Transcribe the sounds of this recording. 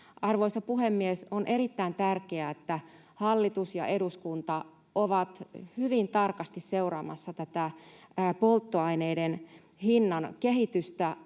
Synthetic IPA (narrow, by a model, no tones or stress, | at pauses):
ɑrʋoisɑpuhemːiesonʔe̞ɾit̪ːæint̪ærkeæet̪ːæ | hɑlːit̪usjɑ̰ʔeduskunt̪ɑ | ʔoʋɑt̪hyʋint̪ɑrkɑst̪isseurɑ̰ːmɑ̰sːɑt̪æt̪æ | polt̪ːoɑineiden | hinːɑnkehit̪yst̪æ